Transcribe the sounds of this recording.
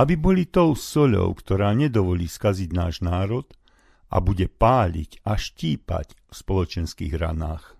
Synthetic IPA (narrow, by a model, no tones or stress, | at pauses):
abibɔlit̪ɔʊsɔʎɔ̰ʊkt̪ɔɾaːɲɛd̪ɔʋɔʎiːskaziɟnaːʒnaːɾɔt̪ | ʔa̰buɟɛpaːʎḭcʔaʃciːpa̰cfspɔlɔt͡ʃɛnskḭːɣɾa̰naːx